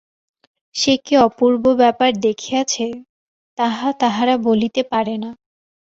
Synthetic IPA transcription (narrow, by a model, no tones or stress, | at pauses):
ʃekeɔpuɾbobɛpaɾd̪ekʰijat͡ɕʰe | t̪aɦat̪aɦaɾabolit̪epaɾena